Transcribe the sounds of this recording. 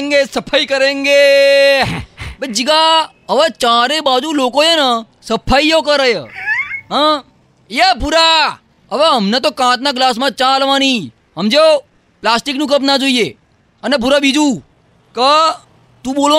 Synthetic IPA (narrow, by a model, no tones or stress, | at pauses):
ŋɡesəpʰaikəɾeŋɡe | bəd͡ʒiɡa | əʋat͡ʃãɾebad͡ʒulokoenə | səpʰaijokəɾəjəɦə | iapuɾa | əʋeəmnet̪okãt̪naɡlasmãt͡ʃãlʋãni | ɦəmd͡ʒeo | plasʈiknũkəpnad͡ʒoie | ənep̬uɾabid͡ʒu | kə | t̪ũɓolo